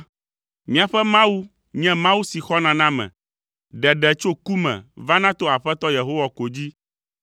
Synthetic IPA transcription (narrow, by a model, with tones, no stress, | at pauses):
mĩ˨a˨ɸɛ˦mã˦wu˦ | ɲɛ̃˦mã˦wu˦si˨xɔ˦nã˨nã˦mɛ̰̃˨ | ɖɛ˨ɖɛ˨t͡ʃo˦ku˦mɛ̰̃˨va˦nã˦t̪o˦a˨ɸɛ˦t̪ɔ˦je˨ɦo˦wa˨ko˨d͡ʑi˦